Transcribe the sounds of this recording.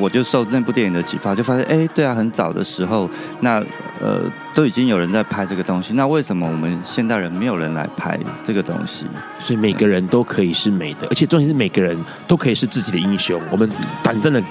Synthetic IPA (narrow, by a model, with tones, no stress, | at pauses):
wɔ˨˩t͡ɕjo˥˧ʊʂo˥˧ʊna˥˧p̬u˥˧t̪jɛ˥˩ni˧˥nd̪ə˧t͡ɕʰḭ˨˩fa˥˧t͡ɕjo˥˧ʊfa˥ɕjɛ˥˧nʔe˥˩ɪt̪we˥˩ɪa˩xə˧˥nt͡sɑ˨˩ʊd̪ə̰˦ʂɻ̩˧˥xo˥˧ʊ | na˥˩ | ə̰˨˩t̪o˥ʊi˨˩t͡ɕi˥ŋjo˨˩ɻə˧˦nt͡sa˥˩ɪpʰa˥ɪʈ͡ʂɤ˥˩ɡə˩t̪o˥ŋɕi˧˦na˥˧we˥˩ɪʂə˧nmə˧˨wɔ˨˩mə˦nɕjɛ˥˧nt̪a˥˩ɪɻə˧˦nme˧˥ɪjo˨˩ʊɻə˧˦nla̰˧˥ɪpʰa̰˥ɪʈ͡ʂɤ˥˩ɡə˩t̪o̰˥ŋɕḭ˨ | swɔ˧˥i˨˩me˨˩ɪɡə˦ɻə˧˦nt̪o˥ʊkʰɤ˧˦i˨˩ʂɻ̩˥˩me˨˩ɪd̪ə̰˦ə̰˧˥t͡ɕʰɛ˨˩ʈ͡ʂi˥ʂɻ̩˥˩me˨˩ɪɡə˦ɻə˧˦n | t̪o˥ʊkʰɤ˧˥i˨˩ʂɻ̩˥˧t͡sɹ̩˥˩t͡ɕi˨˩d̪ə˦i˥ŋɕjo˥ŋwɔ˨˩mə˦nt̪wa˨˩nt͡sa˥˩nd̪ə˩